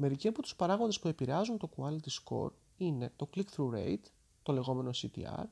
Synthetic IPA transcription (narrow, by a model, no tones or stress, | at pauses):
me̞ɾiceɐpo̞t̪u̥spɐɾɐɣo̞nd̪e̞spue̞piɾe̞ɐzunt̪o̞kuɐlt̪isko̞̰ɾ | ine̞t̪o̞klikθɾuɾe̞̰jt̪ | t̪o̞le̞ɣo̞me̞no̞sit̪ḭɐ̰ɾ